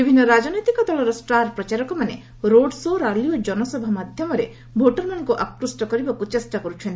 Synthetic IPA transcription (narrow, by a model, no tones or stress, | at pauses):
bibʱinːɔɾad͡ʒɔnɔjt̪ikɔd̪ɔɭɔɾɔsʈaɾpɾɔt͡ʃaɾɔkɔmane | ɾoɖsoɾaliod͡ʒɔnɔsɔbʱamad̪ʱjɔmɔɾe | bʱoʈɔɾmanŋkuʔakɾusʈɔkɔɾibakut͡ʃesʈakɔɾut͡ʃʰɔ̃nt̪i